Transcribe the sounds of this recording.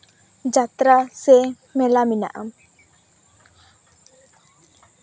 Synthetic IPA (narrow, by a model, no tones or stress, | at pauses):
d͡ʒat̪ɾase | mɛlamina̰ʔam